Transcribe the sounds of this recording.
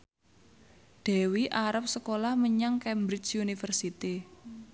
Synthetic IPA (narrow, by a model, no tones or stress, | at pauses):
d̪̥ɛ̤wiʔaɾəp̚səkolahməɲaŋkɛmbɾit͡ʃunifərsit̪i